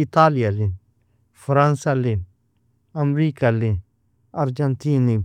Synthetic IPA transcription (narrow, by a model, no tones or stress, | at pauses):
it̪aːlijali | fʰɾãnsalin | ɐmɾiːkali | ɐɾd͡ʒɐnt̪iːni